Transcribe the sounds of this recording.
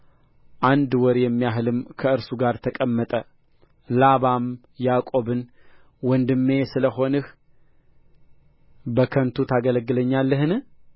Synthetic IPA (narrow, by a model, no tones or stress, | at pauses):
ʔand̪wɔɾjɛmːijaɦɨlɨmkʰəɨɾsuɡaɾt̪ʰəkʼəmːət̪ʼə | laβam | jakʼo̞βɨn | wɔnd̪ɨmːe̞sɨləho̞nɨh | bəkʰənt̪ʰut̪ʰaɡələɡːɨləɲːalːəɦɨn